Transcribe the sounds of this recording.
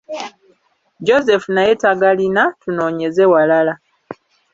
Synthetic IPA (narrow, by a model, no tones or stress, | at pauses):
d͡ʒoze̞funajetaɡalinatuno̞ːɲe̞zewalala